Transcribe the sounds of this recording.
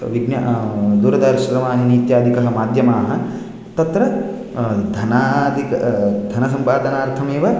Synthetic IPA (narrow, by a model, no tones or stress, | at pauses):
ʋiɡnjɐ̰d̪uɾɐd̪aɾʃɐɾɐmaːɦiniːt̪jaːd̪ʱikɐɦɐmaːd̪ʱjɐmaːɦɐ̆ | t̪ɐt̪ɾɐ | d̪ʱɐnaːd̪ʱikɐd̪ʱɐnɐsɐmpaːd̪ɐnaːɾt̪ʰɐmeːʋɐ